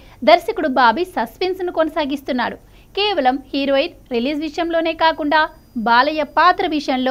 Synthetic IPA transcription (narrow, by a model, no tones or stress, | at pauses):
d̪ɐɾʃɐkuɽubaːbisɐspensnukonɐsaːɡist̪unːa̰ːɽu | keːʋɐlɐmhiːɾoːid̪̚ɾiliːzʋiʂɐjɐmlo̞ːne̞ːkaːkuɳɖaː | baːlɐjɐpaːt̪ɾɐʋiʂɐjɐnloː